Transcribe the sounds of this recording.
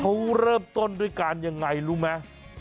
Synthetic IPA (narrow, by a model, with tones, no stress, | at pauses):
kʰa˦˥wɾəː˥˩mt̪o˥˩˨nduː˧˥˩jkaː˧nja˧ŋːa˧jɾuː˥ma˦˥